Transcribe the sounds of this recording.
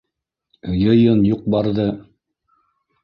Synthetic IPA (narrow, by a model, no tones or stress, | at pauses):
jɤ̆jɤnjuq̚bɑɾðɤ